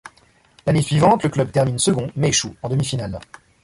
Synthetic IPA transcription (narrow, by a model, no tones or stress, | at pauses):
lanesɥivɑ̃t̪ləklœb̚t̪ɛʁminsəɡɔ̃mɛeʃuɑ̃d̪əmifinal